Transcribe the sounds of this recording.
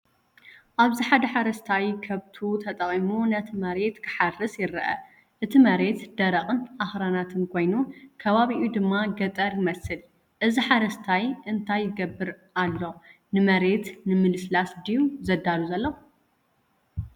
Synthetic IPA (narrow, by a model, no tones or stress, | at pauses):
ʔaβziħad̪ɐħaɾɐst̪ʰajkʰɐβt̪ʰut̪ʰɐt̪ʼɐχʼimunɐt̪ʰimɐɾe̞t̪kʰɨ̥ħarɨsjɪɾɐʔɐ̰ | ʔɨt̪ʰimɐɾe̞t̪d̪̥ɐɾɐχʼɨnʔaxɾanat̪ʰɨnkʰo̞jnukʰɐβaβiʔud̪ɨmːaɡɐt̪ʼɐɾjɪmɐsɨl | ʔɨziħaɾɐst̪ʰajʔɨnt̪ʰajːɪɡɐbːɨɾ | alːo̞ | nɨmɐɾe̞t̪nɨmɨlɨslasd̪ijuzɐd̪aluzɐlːɐ